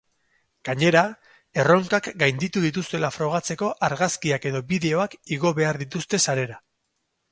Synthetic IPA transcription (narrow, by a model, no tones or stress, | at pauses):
ɡ̥aɲe̞ɾa | e̞ro̞ŋkakɡajnd̪it̪uðit̪ust̪e̞lafɾo̞ɣ̞at͡se̞ko̞ʔaɾɣaskiake̞ðo̞biðe̞o̞akiɣo̞βe̞aɾðit̪ust̪e̞saɾe̞ɾa